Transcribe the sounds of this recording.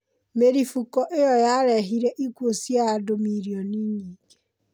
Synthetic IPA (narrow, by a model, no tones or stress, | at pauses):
meɾifukɔʔejɔjaɾɛɦiɾɛʔiɡwosjaadomiɾiɔniːɲiːɡe̥